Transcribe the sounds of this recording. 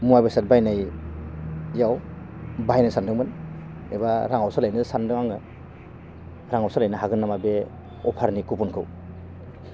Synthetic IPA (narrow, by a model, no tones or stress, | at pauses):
muabesat̚bajnaj | jaw | bajnɯsandɯŋmɯn | ebaɾaŋawsalajnɯsandɯŋaŋɯ | ɾaŋawsalajnɯɦaɡɯnːamabe | ɔpʰaɾnikupunkʰɯ̰w